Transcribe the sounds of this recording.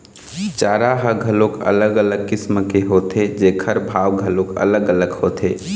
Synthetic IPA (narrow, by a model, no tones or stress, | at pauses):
t͡ʃaɾaɦəɡʱəlokə̰ləɡələɡ̚kɪsmkeɦot̪ʰed͡ʒekʰəɾbʱawɡʱəlokə̰ləɡələɡhot̪ʰe